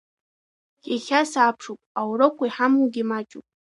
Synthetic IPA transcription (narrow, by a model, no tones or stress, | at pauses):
kʲʼexʲasaːpʰʂopʼawɾokʷʰajħamuɡʲimat͡ʃʼṵpʼ